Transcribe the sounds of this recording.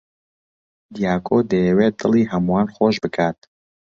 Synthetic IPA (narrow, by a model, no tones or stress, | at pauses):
d̪ijaːkʰod̪ejɛweːd̪̥ɨlˠiːɦɐmuwaːnxoːʃbɨkʰaːt̪̚